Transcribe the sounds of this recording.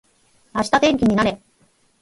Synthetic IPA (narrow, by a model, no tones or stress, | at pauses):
aɕi̥t̪at̪ẽ̞ŋkʲiɲ̟inaɾe̞